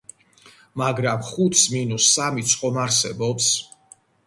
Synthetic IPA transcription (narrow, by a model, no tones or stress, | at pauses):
maɡɾamχut̪ʰsminusːamit̪sʰʼqʼɔmaɾsɛbɔps